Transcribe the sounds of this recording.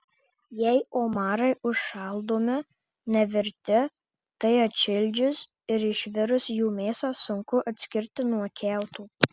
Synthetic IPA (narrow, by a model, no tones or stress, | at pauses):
jɛɪoːmɑːɾɐɪʔʊʃʃɑlˠd̪oːmʲɪ | nʲɛʋʲɪɾʲt̪ʲɪ | t̪ɐɪɐtt͡ʃʲɪlʲd͡ʒʲʊs | ɪɾɪʃʲʋʲɪɾʊsjuːmʲeːsɑːsʊŋkʊʔɐt̪ʲsʲkʲɪɾʲt̪ʲɪnuɔkʲʰɛˑʊt̪uː